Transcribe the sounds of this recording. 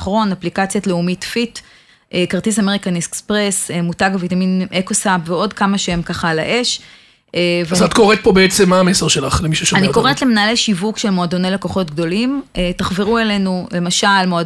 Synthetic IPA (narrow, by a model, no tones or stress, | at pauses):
χʁo̞naplikat͡sjotleumitfit | ekaʁtisameʁikaniskspʁesemutaɡavitaminʔekosapveo̞dkamaʃeemkaχalaʔeʃ | evezat̪ko̞ʁet̚po̞beet͡semːaːmeseʁʃelaχlemiʃuʃaaniko̞ʁetleminalejʃivukʃe̞lmo̞ado̞nejlako̞χo̞tɡdo̞limetaχviʁue̞le̞nule̞maʃalmoad